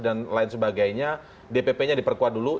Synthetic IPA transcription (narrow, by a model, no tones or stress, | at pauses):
danlaɪnsəbaɡajɲa | depepeɲadipərkuat̪̚dulu